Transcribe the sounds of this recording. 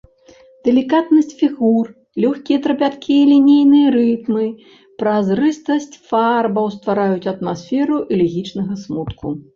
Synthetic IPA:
d̪̥ɛlʲikat̪nɐsʲt͡sʲfʲiɣur | lʲɔxkʲijɛt̪ɾɐpʲat̪kʲʰiilʲinʲijnɨjɐɾɨt̪mɨ | pɾazrɨst̪ɐsʲt͡sʲfarbɐwst̪vaɾajut͡sʲɐt̪masfʲɛɾuʔilʲɛɣʲit͡ʂnɐɣɐsmut̪kʰṵ

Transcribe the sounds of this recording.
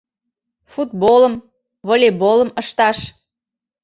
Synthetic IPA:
fut̪̚boləm | βolʲeboləməʃt̪ɑʃ

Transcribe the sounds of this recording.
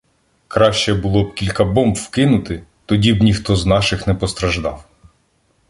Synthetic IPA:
kɾɑʃt͡ʃɛbʊlˠɔb̚kʲilʲkɐbɔmbwkɪnʊt̪ɪt̪ɔdʲibnʲixt̪ɔznɑʃɪxnɛpɔst̪ɾɐʒd̪ɑw

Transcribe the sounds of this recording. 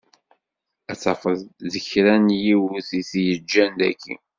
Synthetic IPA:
æt͡sːɑfəððəçɾænjiwuθiθjəd͡ʒːænd̪æ̰kːḭ

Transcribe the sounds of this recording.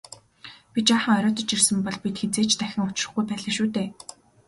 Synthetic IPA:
pʲit͡ɕaːχə̆ŋɔɾʲɔːt̪ɞ̆t͡ɕirsɘ̆mpɔɮpit̪xet͡seːt͡ɕt̪ʰæxʲɪ̆ŋʊt͡ɕɪ̆rə̆χɡujpæːɮə̆ːʃuːt̪eː

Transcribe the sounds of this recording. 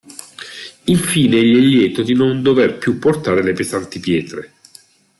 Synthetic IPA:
iɱfiːneʎːɛʎːɛːt̪od̪inond̪overpjupːort̪aːɾelepezant̪ipjɛːt̪ɾe

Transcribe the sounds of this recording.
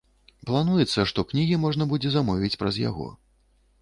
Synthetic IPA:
plˠanujɛt̪sːɐʂt̪ɔknʲiɣʲimɔʐnɐbud͡zʲɛzamɔvʲit͡sʲpɾɐzja̰ɣɔ̰

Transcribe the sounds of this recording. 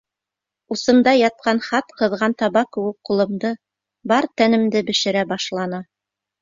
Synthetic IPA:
usɤ̆nd̪ɑjɑt̪̚qɑnχɑt̪qɤ̆ðʁɑnt̪ɑβɑkːɘ̆wɘk̚qulˠɤ̆md̪ɤ | bɑɾt̪ænɘ̆md̪ɘbɘ̆ʃɘ̆ɾæbɑʃlˠɑnɤ

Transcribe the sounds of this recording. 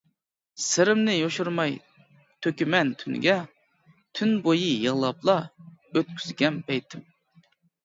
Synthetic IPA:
sɪɾɪmnɪjoʃuɾmɑj | t̪ʰøkʲymɛnt̪ʰyn̰ɡʲɛ | t̪ʰynbojɨjəʁlˠɑplˠɑøt̪̚kʲʰyzɡʲɛnpʰɛjt̪ʰɪm

